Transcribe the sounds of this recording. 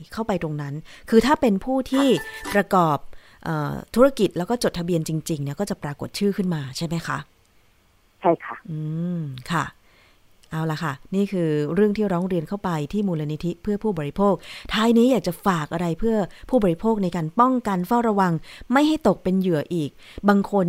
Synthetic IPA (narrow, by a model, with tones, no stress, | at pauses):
kʰa˥˩wpa˧jt̪ɾo˧ŋna˦˥nkʰɯː˧t̪ʰaː˥˩pe˧npʰuː˥˩t̪ʰiː˥˩pɾa˧kɔː˨˩p̚ | ʔɤ̰ː˨˩t̪ʰu˦˥ɾa˧˥ki˨˩t̪̚lɛː˦˥wkɔː˥˩t͡ɕo˨˩t̪ʰa˧bi˧ənt͡ɕi˧ŋt͡ɕi˧ŋni˥˩ɐkɔː˥˩t͡ɕa˨˩pɾaː˧ko˨˩t̪̚t͡ɕʰɯː˥˩kʰɯ˥˩nmaː˧t͡ɕʰa˥˩jma˦˥jkʰa̰˦˥ʔ | t͡ɕʰa˥˩jkʰa˥˩ʔɯː˧mkʰa˥˩ | ʔa˧˩wla˨˩kʰa˥˩niː˥˩kʰɯː˧ɾɯ˥˩əŋt̪ʰiː˥˩ɾɔː˦˥ŋɾi˧ənkʰa˥˩wpa˧jt̪ʰiː˥˩muː˧laː˧ni˦t̪ʰi˦˥pʰɯ˥˩ɐpʰuː˥˩bɔː˧ɾi˧pʰoː˥˩k̚t̪ʰaː˧˥jniː˦˥jaː˨˩k̚t͡ɕa˨˩faː˨˩k̚ʔa˧ɾa˧jpʰɯ˥˩ɐpʰuː˥˩bɔː˨˧ɾi˦˥pʰoː˥˩k̚na˧jkaː˧npɔ˥˩ŋka˧nfaː˥˩wɾa˧wa˧ŋma˥˩jha˥˩jt̪o˨˩k̚pe˧njɯ˨˩˦ɐʔiː˨˩k̚ | baː˧ŋkʰo˧n